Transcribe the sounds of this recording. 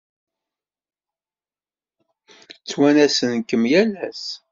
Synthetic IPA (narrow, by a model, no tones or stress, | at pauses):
t͡sːwænæsənkəmjælæs